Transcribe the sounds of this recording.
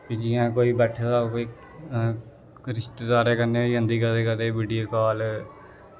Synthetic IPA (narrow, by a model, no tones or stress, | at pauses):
piːd͡ʒɪjãːkoːiːbɛːʈʰed̪aːkoːiː | ɾɪʃt̪eːd̪aːɾeːkəneːiːɦə̃nd̪iːkəd̪eːkəd̪eːbɪɖiːəlkaːl